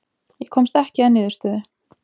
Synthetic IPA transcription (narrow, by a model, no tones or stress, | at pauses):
jɛkʰɔmst̪ɛhcɪaðnɪːðʏ̥ɾst̪œːðɪ̥